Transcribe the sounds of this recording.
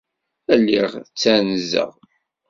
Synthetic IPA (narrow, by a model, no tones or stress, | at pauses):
ælːiʁt͡sːænzə̰ʁ